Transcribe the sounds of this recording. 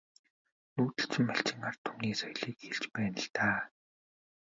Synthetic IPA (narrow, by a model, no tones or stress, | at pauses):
nuːt̪ɘ̆ɬt͡sɘ̆mːaɬt͡ɕɪ̆ŋart̪ʰːuːniːsɔj̆ɮiːkxeɮt͡ɕpæːnə̆ɬt̪aː